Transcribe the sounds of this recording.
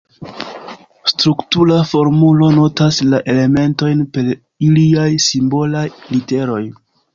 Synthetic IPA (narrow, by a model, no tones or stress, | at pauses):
stɾuktulafo̞ɾmulo̞no̞taslaʔe̞le̞me̞nto̞jnpe̞ɾ | iliajsimbo̞lajlite̞ɾo̞j